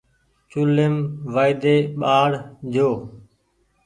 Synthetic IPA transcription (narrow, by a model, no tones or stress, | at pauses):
t͡ʃʊlemʋaːɪd̪eːɓaːɽd͡ʒʱoː